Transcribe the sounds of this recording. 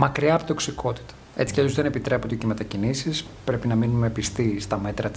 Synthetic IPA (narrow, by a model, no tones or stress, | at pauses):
mɐkɾiɐːpot̪o̞ksikʰo̞t̪i̥t̪ɐ̥et͡si̥celozðenepit̪ɾe̞pot̪d̪ecemet̪ɐcinisis | pɾe̞pinɐminumepist̪ist̪ɐme̞t̪ɾɐt̪